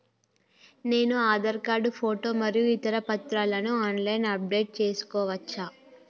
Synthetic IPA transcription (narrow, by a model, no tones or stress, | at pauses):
ne̞ːnuaːd̪ɐɾkaːɖupʰoːʈo̞ːmɐɾijuit̪ɐɾɐpɐt̪ɾaːlɐnuaːnlɐjnɐp̚ɖe̞ːʈ̚t͡ʃe̞ːsu̥kɔːʋɐt͡ʃːaː